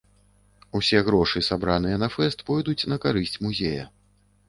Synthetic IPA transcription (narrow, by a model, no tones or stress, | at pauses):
usʲɛɣɾɔʂɨsabɾanɨjɛnɐfɛst̪pɔjd̪ut͡sʲnɐkaɾɨsʲt͡sʲmuzʲejɐ̰